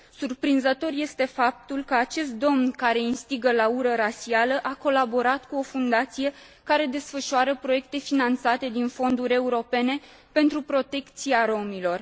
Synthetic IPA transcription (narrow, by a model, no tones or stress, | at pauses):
surpɾinzət̪o̞rje̞st̪e̞fap̚t̪ulkəat͡ʃe̞st̪̚d̪o̞mnkaɾe̞inst̪iɡəlauɾəɾasialəʔako̞labo̞ɾat̪kuo̞fund̪at̪sije̞ | kaɾe̞d̪e̞sfəʃuaɾəpɾo̞je̞kt̪e̞finant̪sat̪e̞d̪info̞nd̪uɾʲe̞uɾo̞pe̞ne̞ | pe̞nt̪ɾupɾo̞t̪e̞kt̪siaɾo̞milo̞r